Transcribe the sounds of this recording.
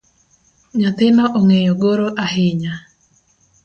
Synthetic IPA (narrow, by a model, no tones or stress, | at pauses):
ɲat̪ɪnɔʔoŋejoɡoɾoʔaɦɪɲa